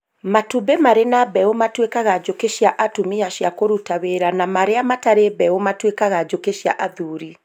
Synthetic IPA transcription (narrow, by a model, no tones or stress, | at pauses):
matubemaɾenabɛomatwekaɣad͡ʒokeʃjaʔatumiaʃjakoɾutaweɾanamaɾeamataɾebɛomatwekaɣad͡ʒokeʃja̰ʔaðuːɾi